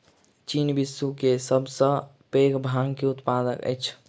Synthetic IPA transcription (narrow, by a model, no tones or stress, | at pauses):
t͡ʃiːnbɪsːukesəbsə | peːɡbʱaːŋkeʊt̪paːd̪əkə̰jt͡ʃʰ